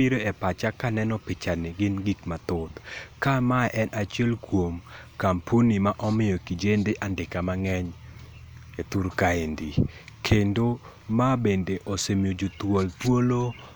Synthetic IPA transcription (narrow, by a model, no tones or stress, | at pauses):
iɾoepat͡ʃakanɛnɔpɪt͡ʃanɛɡɪnɡikmat̪ʊt̪kamaʔɛnʔat͡ʃjɛlkwomkampʰunimaʔɔmɪjɔkid͡ʒendeʔandɪkamaŋɛɲ | et̪uɾkaendikʰendo | mabendeʔosemjod͡ʒot̪wolt̪wolo